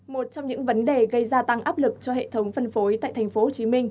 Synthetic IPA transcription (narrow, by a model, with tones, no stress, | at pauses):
mo˨˩t̚t͡ɕɔ˧wŋ͡mɲɨ̰˧˥ŋvə˨˦nɗe˨˩ɣə˧jzaː˧t̪a˧ŋʔaː˦˥p̚lɨ˨˩k̚t͡ɕɔ˧ɦḛ˧˨t̪ʰə˨˦wŋ͡mfə˧nfo˨˦jt̪a̰ː˧˨jt̪ʰŋ̟fo˨˦ho˨˩t͡ɕi˨˦mï˧ŋ̟